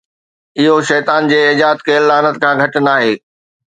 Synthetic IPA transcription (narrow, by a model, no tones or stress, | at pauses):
ɪɦoʃɛːt̪aːnd͡ʑeːɪd͡ʑaːt̪keːlːaːnət̪kʰãːɡʱɐʈɪnaːɦeː